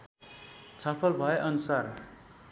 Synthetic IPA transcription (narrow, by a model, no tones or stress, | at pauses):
t͡sʰʌpʰʌlbʱʌeʔʌnusar